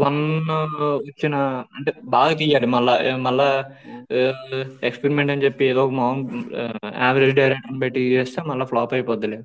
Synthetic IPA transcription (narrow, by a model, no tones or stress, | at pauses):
ʋɐn | ʋɐt͡ʃːinɐɐɳʈebaːɡɐt̪̬ijːaːɽumɐɭːɐmɐɭːɐ | ekspeɾimeɳʈɐnt͡ʃepːieːd̪oːkɐmaːɐm | aːʋɐɾed͡ʒɖɐjɾeʈɐnpeʈːit͡ʃeːst̪eːmɐɭːɐfɭoːpɐjpoːɐleː